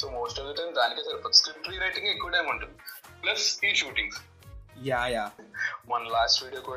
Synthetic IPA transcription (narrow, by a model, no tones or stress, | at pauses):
soːmoːsʈɐʋliʈɐjmd̪aːnikesɐɾpɐt̪skɾĩʈɾiːɾejʈĩŋɡekːuʋʈajmɐɳʈunplɐsiʃuːʈĩŋs | jajaʋɐnlaːsʈʋiːɖijoku